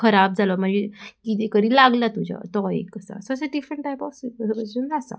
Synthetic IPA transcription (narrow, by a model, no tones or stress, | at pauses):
kʰəɾab̚d͡zʱalɔm̤əɳd͡zekit̪ekəɾiːlaɡlat̪ud͡ʑa̰t̪ɔḛkːəsa̰səseɖifɾəɳʈːajpɔfsibəsund̪asa̰